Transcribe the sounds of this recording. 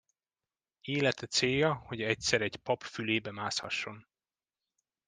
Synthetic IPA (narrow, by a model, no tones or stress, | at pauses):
eːlɛt̪ɛt̪seːjːɒho̞ɟɛc̚sɛɾɛɟpɒpfyleːbɛmaːshɒ̰ʃːo̞n